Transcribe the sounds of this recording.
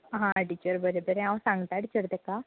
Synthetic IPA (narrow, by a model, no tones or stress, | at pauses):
ɦãəɖit͡ʃəɾbəɾebəɾeãwsãŋɡt̪aɽit͡ʃəɾt̪eka